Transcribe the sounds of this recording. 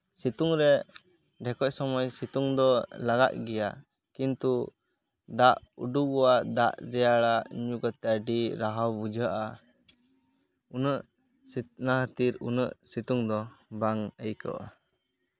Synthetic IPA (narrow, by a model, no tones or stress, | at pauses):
sit̪uŋɾɛ | ɖɛkɔc̚sɔmɔjsit̪uŋd̪ɔlaɡa̰ʔ̚ɡɛja | kint̪u | d̪aʔṵɖuɡɔwad̪aʔɾɛjaɭaɲuɡət̪ɛɖiɾaɦawbud͡ʒəʔa | unəʔ | sinaɦət̪iɾunə̰ʔsit̪uŋd̪ɔbaŋəjkə̰ʔa̰